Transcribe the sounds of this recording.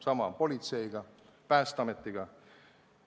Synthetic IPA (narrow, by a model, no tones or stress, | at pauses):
sɑmɑpo̞lʲit̪se̞jɡ̥ɑ | pæːst̪ɑmet̪ːˑiɡ̥ɑ